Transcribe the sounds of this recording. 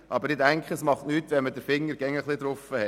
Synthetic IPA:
ʔɑbəɾɪdæŋkʰχəsmɑχtnyːtʋɛnmədəɾfɪŋːəɾɡɛŋːəχlˠɪd̪ɾʊfəhɛ

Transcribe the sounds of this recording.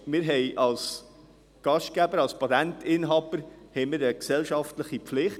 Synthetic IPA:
mɪːɾɦɛɪʔɑls | ɡ̥ɑʃt̚ɡ̥æbəɾɑlspɑtæntɪnɦɑb̥əɾhɛɪmɪːɾəksɛlʃɑftləχipflɪχt

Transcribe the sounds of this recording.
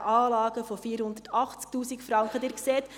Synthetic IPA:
ʔɑːlɑːɡəfofiːɾhʊnd̪ətɑχt͡sk̚tuːsikfɾɑŋkχəd̪ɪːɾkseːt̪

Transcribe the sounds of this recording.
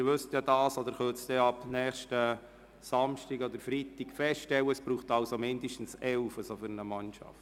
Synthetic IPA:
ɪɾʋɵsətjɑdɑːsod̪əɾχøsd̥ɛɑb̥nɛːχʃtə | sɑmʃtɪɡod̪əɾfɾitikfɛstʃtɛwəəsb̥ɾuːχtɑlsomɪndəʃtn̩sɛlfəsofʏɾənəmɑnʃɑ̰ft

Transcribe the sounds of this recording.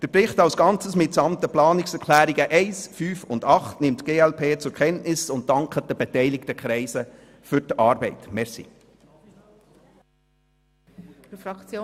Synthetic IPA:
d̥əɾprɪχtɑwsɡ̥ɑnt͡səsmɪtsɑmt̪əplɑːnɪksɛɾkʰlæːɾiɡəʔɛɪsfyːfʊndɑχtnɪmtɡ̥eːɛlpʰeːt͡sʊɾkʰχɛntnɪsʊnt̚tɑŋkχət̚d̥əb̥etɛɪlɪktəkχɾɛɪsə | fʏɾtɑːɾbɛɪtmɛɾsḭ | t͡s

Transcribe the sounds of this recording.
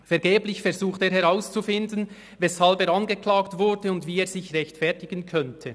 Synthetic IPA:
fɛɐɾɡeːblɪçfɛɾzuːχteːɾhɛʁaʊst͡sufɪndən | vɛshalbeːɾanɡəklaːktvʊɾdəʊndviːeːɹzɪçʁɛçtfɛɐtɪɡ̥ənkʰœntʰə

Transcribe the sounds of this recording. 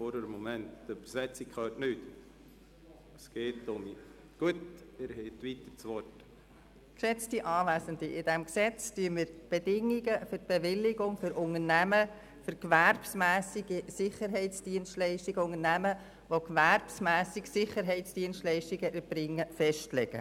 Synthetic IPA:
foɾəɾəmomɛntːyb̥əɾsɛt͡sikʰχøːtnyt̪ | əsɡ̥eːt̪ʊmi | ɡ̥uəteɾhɛt̪ʋit̪əɾt͡sʋɔrt | kʃɛt͡stiʔɑːʋæːsəndiʔɪd̥ɛmksɛt͡styənmɪːɾb̥edɪŋːiɡəfʏɾt̚b̥eʋɪlːɪɡʊŋfʏɾʔʊŋənæmə | fʏɾkʋæɾbsmæːsiɡisɪχəɾɦɛɪtt͡sd̥iənstlɛɪʃtiɡəʊŋənæmə | ʋokʋærbsmæːsɪksɪχəɾɦɛɪtt͡sd̥iənstlɛɪʃtiɡəʔəɾb̥ɾɪŋːəfɛʃtlɛɡ̥ə̰

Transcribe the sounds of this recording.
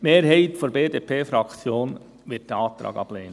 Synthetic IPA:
meːɾɦɛɪtfoɾbeːdepʰeːfɾɑkt͡sjoːn | ʋɪt̚d̥ɛɑːt̪ɾɑ̰ːɡɑ̰b̥leːnə

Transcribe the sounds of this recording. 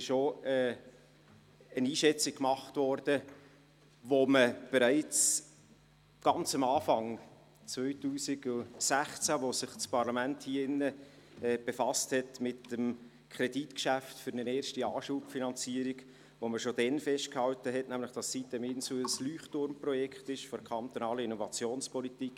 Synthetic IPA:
ɪʃoɛː | əniːʃɛt͡sik̚kmɑχtvɔrd̥ə | ʋoməb̥eɾæɪt͡s | ɡ̥ɑnt͡sɑmɑːfɑŋ | t͡svœʏtuːsiɡʊsæχt͡sæʋosɪχt͡spɑɾlɑmænthiːəɪnːəɛːb̥efɑsthɛtmɪtəm | kʰɾɛditkʃæftfʏɾnəneːɾʃtiɑːʃuːpfinɑnt͡siːəɾiɡ | ʋoməʃod̥ɛnfɛʃt̚khɑwtəɦɛtnæmləχd̥ɑssit̚dɛmɪnsuəəslyːχtʊɾmprɔjɛkʰχtɪʃfɔɾkʰχɑnt̪onɑːləinɔvɑt͡sjoːnspɔlitik

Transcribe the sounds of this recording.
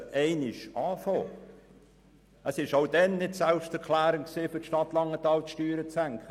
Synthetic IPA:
ʔɛɪnɪʃɑːfoː | əsɪʃoʊdɛnnɪtsɛlpʃtɛɾkʰlæːɾɪŋksiːfʏtʃtɑtlɑŋːətɑːltʃtyːɾət͡sæŋkχə

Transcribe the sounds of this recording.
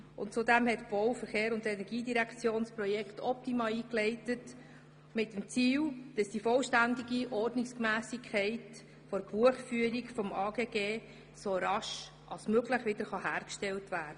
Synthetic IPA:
ʊ̰ntt͡sudæmhɛtb̥ɔʊfəɾχeːɾʊndɛnɛɾɡiːdiɾækʰt͡sjoːnsprɔjɛktʰɔp̚timɑːiːklɛɪtət | mɪtːəmt͡siːld̥ɑsd̥ifɔlʃtændiɡiʔɔrdnɪkskmæːsɪkʰːɛɪt | fɔɾb̥uəχfyːəɾikfɔmɑːɡeːɡeː | soɾɑʃ | ʔɑ̰lsmøɡləχʋɪdəɾχɑhæːɾkʃtɛltvæːɾd̥ə

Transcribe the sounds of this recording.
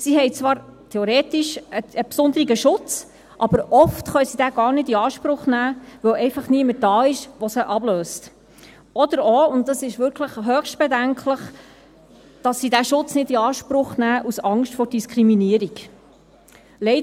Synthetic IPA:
sihɛjt͡svɑːɾtʰɛoɾɛːt̪iʃəəpsʊnd̪əɾiɡəʃʊt͡s | ʔɑb̥əɾʔɔftχœjsid̥æːɡɑːɾnɪdiɑːʃpɾʊχnæːʋœwɛɪfɑχniəməd̥ɑːɪʃʋɔsəʔɑbløːst | ɔdəɾɔʊnt̚dɑsɪʃʋʏɾkʰləχɦœːχʃt̚b̥ɛdæŋkʰləχ | d̥ɑsːidæʃʊt͡snɪdiɑːʃpɾʊχnæːʔusɑŋʃtfɔɾd̥iskʰɾiminiəɾik | lɛɪ

